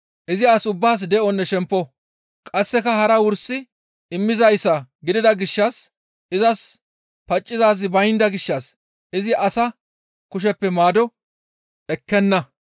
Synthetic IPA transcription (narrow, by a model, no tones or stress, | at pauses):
ʔɪzɪasʊbːaːs̬d̪ɛʔɔnːɛʃɛmpːɔ | kʼɐsːɛkɐhɐɾɐwʊɾsːɪ | ɪmːɪzɐjsɐɡɪd̪ɪd̪ɐɡɪʃːɐs | ʔɪzɐs | pɐt͡ʃʼːɪzaːz̬ɪbɐjnd̪ɐɡɪʃːɐs | ɪzɪʔɐsɐ | kʊʃ̬ɛpːɛmaːd̪ɔ | ʔɛkːɛnːɐ